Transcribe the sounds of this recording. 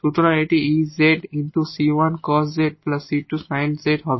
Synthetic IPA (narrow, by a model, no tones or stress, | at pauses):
t̪ut̪ɾãeʈiizːeʈɪ̃ɳʈusiːʋɐ̃nkɔːszeʈ̚plɐsiʈːusãɪ̃nɖseʈɦɔʋ